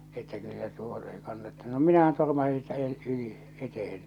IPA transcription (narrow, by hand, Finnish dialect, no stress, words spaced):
etːæ kylːæ tuo ei kɑnːɑtːe̥ no minæhæn tormɑsi siːtæ eˑl yli etehen